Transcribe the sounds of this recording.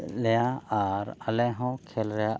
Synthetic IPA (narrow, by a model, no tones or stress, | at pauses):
lejaaɾəlɛ̃ɦɔ̃kʰelɾɛja